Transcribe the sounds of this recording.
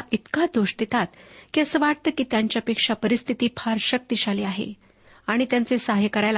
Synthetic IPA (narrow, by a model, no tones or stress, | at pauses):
ʔit̪kad̪oʂd̪et̪at̪kiəsəʋaɽt̪əkiːt̪jaɲt͡ɕjapekʂapəɾist̪ʰit̪iːpʰaɾɕək̚t̪iɕaliːaɦḛ | aɽ̃it̪jant͡sesaɦjəkəɾajl